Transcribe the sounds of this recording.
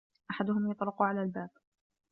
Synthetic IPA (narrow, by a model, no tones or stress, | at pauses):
ʔaħad̪ʊhʊmjɑt̪ˤlʊqʊʕalaːlbaːb̚